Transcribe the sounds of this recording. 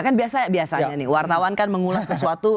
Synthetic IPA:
kanbiasajabiasaɲanɪwart̪awankanməŋulahsəsuat̪u

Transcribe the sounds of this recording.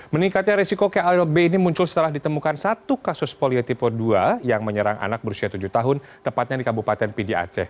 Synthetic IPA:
məniŋkat̪̚ɲaɾisikokealbeinimuɲt͡ʃʊlsə̥t̪əlahdit̪əmukansat̪ukasʊspoliot̪ipɔduajaŋməɲəɾaŋʔa̰nak̚bəɾusiat̪ud͡ʒuht̪aɦʊnt̪əmpat̪̚ɲadikabupat̪ɛnpidia̰t͡ʃɛ̰

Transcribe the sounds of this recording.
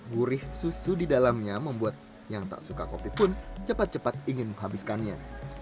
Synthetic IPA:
ɡuɾɪhsusudidalamɲaməmbuat̪̚ | jaŋt̪a̰ʔsuka̰kopipʊnt͡ʃəpat̪̚t͡ʃəpat̪̚iŋɪnməŋɦabɪskanɲa

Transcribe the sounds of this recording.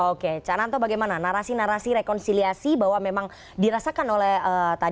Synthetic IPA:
oket͡ʃanant̪obaɡajmananaɾasinaɾasiɾekɔnsiliasibawamemaŋ | diɾasakanolɛhəːt̪a

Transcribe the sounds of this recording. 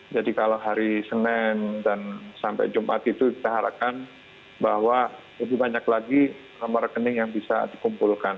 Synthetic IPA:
d͡ʒadikaloɦaɾisənɛndansampa̰jd͡ʒumʔa̰t̪it̪ukit̪aɦaɾa̰p̚kan | bahwa | ləbɪhbaɲaklaɡi | namarəkənɪŋjaŋbisa̰dikumpulkan

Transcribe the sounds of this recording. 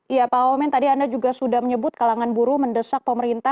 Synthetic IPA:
ʔijapaomɛnt̪adiandad͡ʒuɡasudahməɲəbʊt̪̚kalaŋanbuɾuməndəsak̚pəməɾint̪a

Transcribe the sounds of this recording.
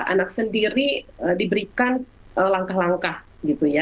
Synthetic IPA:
a̰nak̚səndiɾiədibəɾikan | əlaŋkahlaŋkah | ɡit̪uja

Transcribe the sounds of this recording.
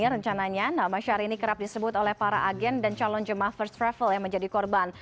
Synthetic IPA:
aɾəɲt͡ʃanaɲanamaʃaɾinikəɾap̚disəbʊt̪olɛhpaɾa̰ʔaɡɛndant͡ʃalɔnd͡ʒəmahfərst̪ɾɛfəljaŋməɲd͡ʒadikɔrban

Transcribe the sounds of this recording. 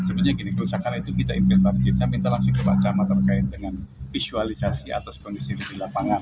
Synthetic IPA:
səbat̪̚ɲaɡinikəɾusakanit̪ukit̪aimpɛspaɾisisamint̪alaksuit̪ubat͡ʃamat̪ərkaɪt̪̚dəŋanfisualisasia̰t̪askɔndisididilapaŋan

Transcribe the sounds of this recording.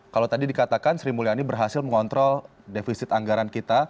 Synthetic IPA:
kalawt̪adidikat̪akansɾimulianibərɦasɪlməŋɔnt̪ɾɔl | defisɪt̪aŋɡaɾankit̪a

